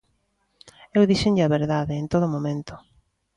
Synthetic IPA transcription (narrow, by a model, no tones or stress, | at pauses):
ewðiʃɪɲʎɐβeɾðaðeːnt̪oðomõmẽnt̪ʊ̥